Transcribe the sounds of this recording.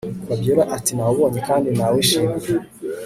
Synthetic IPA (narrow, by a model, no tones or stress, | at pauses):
βabjoɾaʔatinawoβoːnekaːndinaweʃime